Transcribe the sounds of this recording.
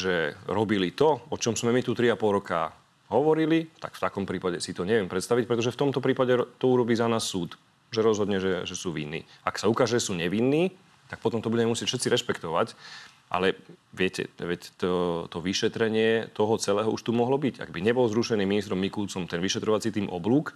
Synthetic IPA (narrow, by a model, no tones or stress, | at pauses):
ʒɛɾɔbilit̪ɔɔt͡ʃɔmzmɛmit̪ut̪ɾiapɔlɾɔka̰ | ɦɔʋɔɾilit̪a̰kft̪akɔmpɾiːpaɟɛsit̪ɔɲɛʋɪɛmpɾɛt̪st̪aʋic̚pɾɛt̪ɔʒɛft̪ɔmt̪ɔpɾiːpaɟɛt̪ɔuɾɔbiːzanaːsːuːt̪ | ʒɛɾɔzɦɔd̪ɲɛʒɛʒɛsuːʋḭnːḭː | aksaukaːʒɛʒɛsuːɲɛʋinːiː | t̪ak̚pɔt̪ɔmt̪ɔbuɟɛmɛmusjɪɛc̚fʃɛt̪t͡siɾɛʃpɛkt̪ɔʋac | ʔa̰lɛʋɪɛcɛ̰ʋɛct̪ɔt̪ɔʋiʃɛt̪ɾɛɲɪɛt̪ɔɦɔt͡sɛlɛːɦɔuʃt̪umɔɦlɔbica̰ɡbiɲɛbɔlɔzɾuʃɛniːminist̪ɾɔmːikult͡sɔmt̪ɛnʋiʃɛt̪ɾɔʋat͡sit̪iːmʔɔ̰bluːk